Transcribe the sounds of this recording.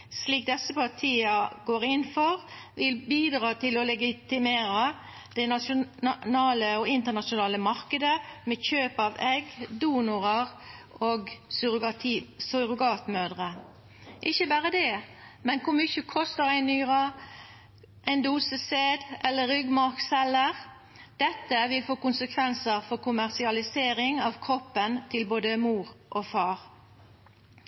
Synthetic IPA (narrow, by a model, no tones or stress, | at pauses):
sliːk̚d̪ɛsəpʰɑʁt̪ʰiːəɡoːʁɪnfɔʁʋɪlbiːd̪ʁɑːt̪ʰɪlɔlɛɡɪt̪ɪmeːɾə | d̪̥ɛnɑʊnɑːləɔɪnt̪əʁnɑʃʊnɑːləmɑʁkəd̪əmɛçøːpɑːʋɛɡd̪uːnʊʁəʁ | ʔoːɡ̪ | sɔʁʊɡɑːt̪møːd̪ʁə | ʔɪçəbæːʁəd̪ɛmɛnkʊɾmʏçəkʰɔst̪əʁæɪnyːʁɑ | ʔæɪnd̪uːsəseːd̪ʔɛlːəʁʏɡmɑʁksɛləʁ | d̪̥ɛt̪ːəʋɪlfoːkʊnsəkʰʋɛnsəʁfɔʁkʊmæʁsɪɑlɪseːɾɪŋɑʋkʰʁɔpːənt̪ʰɪlboːd̪əmuːʁʔoːfɑːʁ